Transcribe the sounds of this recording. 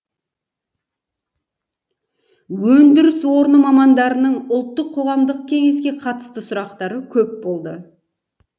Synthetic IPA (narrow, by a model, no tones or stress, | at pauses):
wɵnd̪ɪɾɪswo̞ɾnəmɑmɑnd̪ɑɾənəɴʊlˠt̪ːəqʰːo̞ʁɑmd̪əq̚kʲʰe̞ŋe̞skʲe̞qʰɑt̪ə̥st̪əsʊɾɑqt̪ɑɾəkʲʰɵpbo̞lˠd̪ə